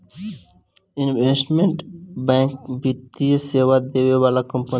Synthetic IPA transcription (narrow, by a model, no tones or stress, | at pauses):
ɪnʋesʈmẽɳʈbɛ̃ːŋkbit̪ːijeseːʋad̪eːʋeʋaːlakɔ̃mpə